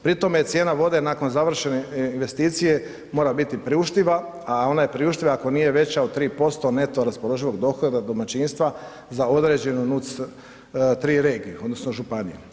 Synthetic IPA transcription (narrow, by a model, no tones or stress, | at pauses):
pɾit̪o̞met̪sje̞ːnaʋo̞d̪e̞naːko̞nzaʋr̩ʃe̞neinʋe̞st̪iːt̪sije̞ | mo̞ːɾabit̪ipɾiuʃt̪iʋa | ao̞naje̞pɾiuʃt̪iʋaːko̞niːje̞ʋe̞t͡ɕaod̪̚t̪ɾiːpo̞st̪o̞ne̞t̪o̞ɾaspolo̞ʒiʋo̞ɡd̪o̞xod̪ad̪o̞mat͡ʃiːnst̪ʋa | zao̞d̪ɾe̞d͡ʑe̞nunut̪s | t̪ɾiːɾe̞ːɡieo̞d̪no̞snoʒupanḭjṵ